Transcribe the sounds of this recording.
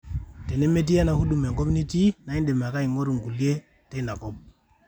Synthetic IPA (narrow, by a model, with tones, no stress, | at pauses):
te˨ne˦mːe˦t̬i˦a˦na˨hu˦ɗu˨me˨ŋɡo˦pni˦ti˦na˨i˦nde˨ma˨ka˦i˨ŋo˦ɾu˨ŋɡu˨lje˦ | te˦na˨ko˦p̚